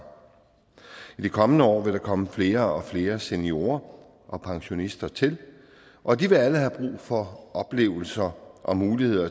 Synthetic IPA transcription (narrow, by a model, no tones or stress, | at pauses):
id̥ekʰɒ̽mənəɒ̰ːʋe̝ɾɑ̈kʰɒ̽məfle̝ːɐɒ̽fle̝ːɐsenio̝ːɐ | ʔɒ̽pʰɑ̈ŋɕo̝nisd̥ɐt͡sʰe̝l | ʔɒ̽d̥iʋe̝æləhæb̥ʁṵːfɒ̽ɒ̽b̥le̝̰ːʊl̩sɐʔɒ̽muːlihe̝ð̰ˠɐ